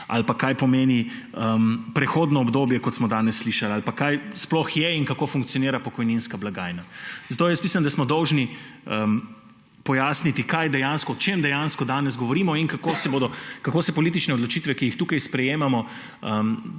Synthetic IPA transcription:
a̰lpakajpɔmeːni | əmpɾɛxoːd̪nɔːbd̪oːbjɛkɔt̪smɔd̪aːnɛsːliʃalalpakajsplɔxjɛiŋkakoːfuŋkt̪sijɔniːɾapɔkɔjninskablaɡaːjnazat̪oːjɛspmiːsand̪asmɔd̪ɔwʒniə | pɔjaːsnit̪ikajd̪ɛjanskɔːt͡ʃemd̪ɛjanskɔd̪aːnɛz̬ɡɔʋɔɾiːmɔinkakosɛboːd̪ɔkakoːsɛpɔlit̪it͡ʃnɛɔd̪lɔt͡ʃit̪ʋɛkijixt̪uːkajspɾɛjeːmamɔ | əm

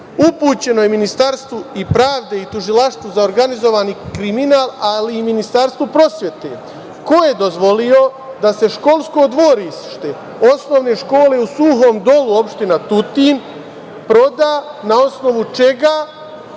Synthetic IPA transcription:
upuːt͡ɕe̞no̞jeminist̪aɾst̪ʋuipɾaːʋd̪e̞it̪uʒilaʃt̪ʋuzaoɾɡanizo̞ʋaːnikɾiminaːlaliːminist̪aɾst̪ʋupɾo̞sje̞t̪ḛ | ko̞je̞d̪o̞zʋo̞lijo̞ | d̪ase̞ʃko̞lˠsko̞d̪ʋoɾisʃt̪e | o̞sno̞ʋne̞ʃko̞ːle̞usuɦo̞ːmd̪o̞luo̞pʃt̪inat̪ut̪in | pɾo̞d̪aːnao̞sno̞ʋut͡ʃe̞ɡaː

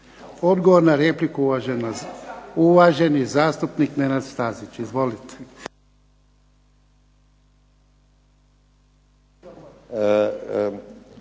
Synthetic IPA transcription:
o̞d̪ɡoʋoɾnaɾeplikuuʋaʒena | uʋaʒe̞nizaːst̪upnikne̞nad̪st̪aːzit͡ʃizʋo̞lit̪e̥

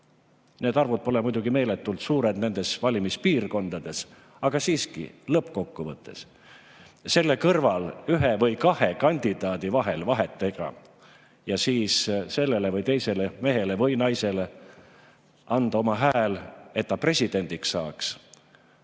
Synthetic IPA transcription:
neːd̪ɑrvud̪̚po̞lɛmujd̪uɡ̥ime̞ːlet̪ːult̪suːɾe̞d̪̥ne̞nd̪̥e̞svɑlʲimispiːrko̞nd̪̥ɑd̪̥e̞s | ɑɡ̥ɑsiːskḭlɤpko̞kːuvɤt̪ˑːe̞̰s | se̞lːe̞kɤrvɑlyɦevɤjkɑhe̞kɑnʲd̪̥id̪̥ɑːd̪̥ivɑɦe̞lvɑɦe̞t̪ːˑe̞ɡ̥ɑ̰ | jɑsiːsse̞lːe̞le̞vɤjt̪e̞jse̞leme̞ɦe̞levɤjnɑjse̞le | ɑnd̪̥ɑo̞mɑɦæːle̞t̪̚ːɑpre̞sʲid̪̥e̞nʲd̪̥iksɑ̰ːks

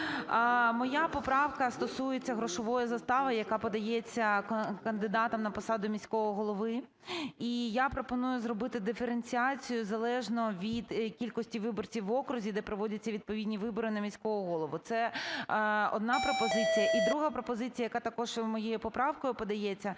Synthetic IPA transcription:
mɔjapɔpɾɑwkɐst̪ɔsujet͡sʲːɐɦɾɔʃɔʋɔjɐzɐst̪ɑʋɐjɐkɑpɔd̪ɐjɛt͡sʲːɐkɐnd̪ɪd̪ɑt̪ɐmnɐpɔsɑd̪ʊmʲisʲkɔɦɔɦɔlˠɔʋɪ | ijapɾɔpɔnujʊzɾrɔbɪt̪ɪd̪ɪfeɾenʲt͡sʲiɑt͡sʲijʊzɐlˠɛʒnɔʋʲid̪kʲilʲkɔsʲtʲiʋɪbɔrt͡sʲiwʋɔkɾʊzʲid̪ɛpɾɔʋɔdʲɐt͡sʲːɐʋʲid̪̚pɔʋʲidʲnʲiʋɪbɔɾɪnɐmʲisʲkɔɦɔɦɔlˠɔʋʊt̪sɛ | ɔ̰d̪̚nɑpɾɔpɔzɪt͡sʲijɐʔid̪ɾuɦɐpɾɔpɔzɪt͡sʲijɐjɐkat̪ɐkɔʒmɔjejʊpɔpɾɑwkɔjʊpɔd̪ɐjɛt͡sʲːɐ

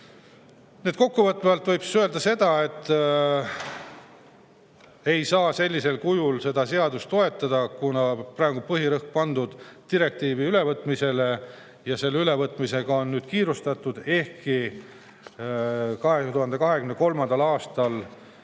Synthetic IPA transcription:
ned̪̥̚ko̞kːuvɤt̪ːˑevɑlt̪ˑvɤjbsøe̞ld̪ɑse̞d̪̥ɑe̞t̪ːˑ | e̞jsɑːse̞lʲːise̞lkujulse̞d̪̥ɑse̞ɑd̪̥ust̪o̞e̞t̪ːˑɑd̪̥ɑkunɑpræːɡupɤɦiɾɤhk̚pɑnd̪ud̪̥t̪iɾe̞k̚t̪iːviyle̞vɤt̪ːˑmise̞le | jɑse̞lːeyle̞vɤt̪ːˑmise̞ɡ̥ɑo̞nːyːd̪̥̚kiːɾust̪ɑt̪ːˑud̪̥e̞hki | kɑɦet̪uhɑnd̪e̞kɑɦe̞kɡymneko̞lmɑnd̪̥ɑlɑːst̪ɑl

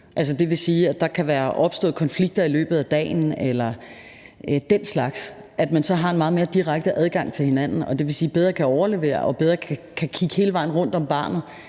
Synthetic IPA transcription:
ʔæls̬əd̥e̝ʋe̝siːæd̥ɑ̈kʰæʋæːɐʔɒ̽b̥sd̥ɔ̰̽ːð̩ˠkʰɒ̽nfliɡ̥̚d̥ɐilø̰ːb̥ð̩ˠæd̥ɛ̰ːn̩elɐ | d̥en̰slɑ̈ɡ̥s | ʔæd̥mænsɒ̽ɦɑ̈e̝nmɑ̈ːð̩ˠme̝ːɐd̥iʁaɡ̥d̥əʔæð̞ˠɡ̥ɑ̈ŋ̰t͡sʰe̝lhe̝nænn̩ɒ̽d̥e̝ʋe̝siːb̥eð̞ˠʁɐːkʰæɒʊɐle̝ʋe̝̰ːɐ̰ʔɒ̽b̥eð̞ˠʁɐkʰkʰækʰiɡ̥əhe̝ːləʋɑ̈ɪ̰n̩ʁɔ̽n̰d̥ɒ̽mb̥ɑ̈ːnð̩ˠ

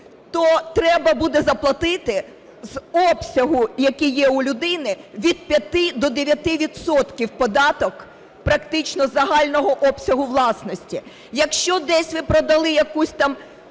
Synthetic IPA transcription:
t̪ɔt̪ɾɛbɐbud̪ɛzɐplˠɐt̪ɪt̪ɪ | zɔpsʲɐɦʊjɐkijɛʊlʲʊd̪ɪnɪʋʲid̪̥̚pʲjɐt̪ɪd̪ɔd̪eʋʲjɐt̪ɪʋʲid̪sɔt̪kʲiwpɔd̪ɑt̪ɔk | pɾɐkt̪ɪt͡ʃnɔzɐɦɑlʲnɔɦɔʔɔpsʲɐɦʊʋlˠɑsnɔsʲtʲi | jɐkʃt͡ʃɔd̪ɛsʲʋɪpɾɔd̪ɐlˠɪjɐkusʲt̪ɑm

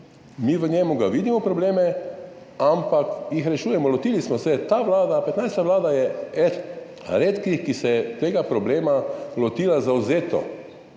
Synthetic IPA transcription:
miʋəɲɛmuɡaʋid̪imɔpɾɔbleːmɛ | ampakjixɾɛʃuːjɛmɔlɔt̪iːlismɔsɛt̪aːʋlaːd̪apɛt̪najst̪aʋlaːd̪ajɛɛt̪ | ɾeːt̪kixkisɛjɛt̪eːɡapɾɔbleːmalɔt̪iːlazawzeːt̪ɔ̰

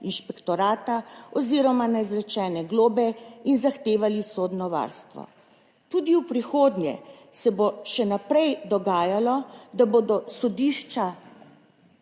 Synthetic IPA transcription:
inʃpɛkt̪ɔɾaːt̪aɔziɾɔmanɛzɾɛt͡ʃɛːnɛɡloːbɛinzaxt̪eːʋalisoːd̪nɔʋa̰ɾst̪ʋɔ̰ | t̪uːd̪iwpɾixoːd̪njɛ̰ | sɛboʃɛnapɾɛjd̪ɔɡaːjalɔd̪abod̪ɔsɔd̪iːʃt͡ʃa

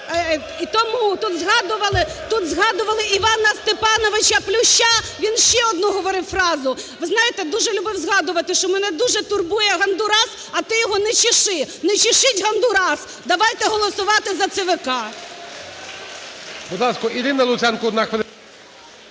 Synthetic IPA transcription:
it̪ɔmut̪ut̪zɦɑd̪ʊʋɐlˠɪt̪ut̪zɦɑd̪ʊʋɐlˠɪʔiʋɑnɐst̪epɑnɔʋɪt͡ʃɐplʲʊʃaʋʲinʃt͡ʃɛɔd̪nuɦɔʋɔɾɪwfɾɑzʊ | ʋɪznɑjɪt̪ɛd̪uʒɛlʲubɪwzɦɑd̪ʊʋɐt̪ɪʃt͡ʃɔmɛnɛd̪uʒɛt̪ʊrbujɛɦɐnd̪ʊɾɑs | ɐt̪ɪjɔɦɔnɛt͡ʃɪʃɪnɛt͡ʃɪʃɪtʲɦɐnd̪ʊɾɑs | d̪ɐʋɑjt̪ɛɦɔlˠɔsʊʋɑt̪ɪzɐt̪sɛʋɪkɑ | bʊd̪lˠɑskɔiɾɪnɐlˠʊsʲɛnkɔɔd̪naxʋelˠ

